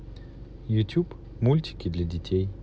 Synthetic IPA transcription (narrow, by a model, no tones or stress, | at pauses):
jʊtʲup | mulʲtʲɪ̥kʲɪd̪lʲɐdʲɪtʲej